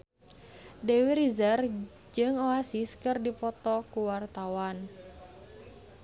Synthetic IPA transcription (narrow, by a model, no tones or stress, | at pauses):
dewiɾizər | d͡ʒɨŋɔasiskɨrdipɔt̪ɔkuwart̪awan